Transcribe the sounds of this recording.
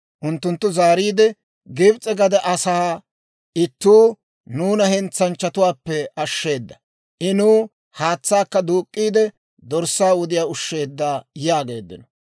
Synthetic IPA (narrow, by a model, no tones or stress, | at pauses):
ʔʊnt̪ːʊnt̪ːʊzaːɾiːd̪ɛ | ɡɪbt͡sʼːɛɡɐd̪ɛʔɐsaː | ʔɪt̪ːuː | nuːnɐhɛnt͡sːɐnt͡ʃːɐt̪ʊwaːpːɛɐʃːe̞ːd̪ːɐ | ʔɪnuː | haːt͡sːaːkːɐd̪uːkʼːiːd̪ɛ | d̪ɔɾsːaːʊd̪ɪjaːʊʃːe̞ːd̪ːaːjaːɡe̞ːd̪ːɪ̰nɔ